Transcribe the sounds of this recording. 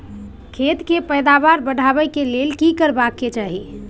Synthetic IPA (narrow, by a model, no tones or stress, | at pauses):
kʰet̪kepəjd̪abaɾbəɽ̤abəjkelelkikəɾbakːet͡ʃaɦi